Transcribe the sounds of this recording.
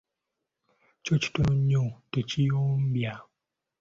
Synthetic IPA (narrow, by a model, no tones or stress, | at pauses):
t͡ʃot͡ʃi̥tonõɲõtet͡ʃijom̩bja